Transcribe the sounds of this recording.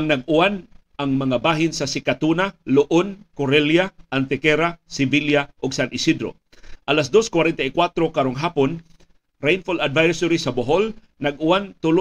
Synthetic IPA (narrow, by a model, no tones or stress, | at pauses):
ŋnɐɡ̚ʔʊan | ɐŋmɐŋabaːɦɪnsɐsɪkat̪unalʊʔonkoɾɛljaʔant̪ɛkɛɾasɪbiljaʔoɡsanʔɪsid̪ɾo̰ | ʔɐlasd̪o̞skwaɾɛnt̪aikwat̪ɾokaɾoŋɦaːpon | ɾɛjnfolad̪vajsʊɾisɐboɦol | nɐɡʊwant̪ʊl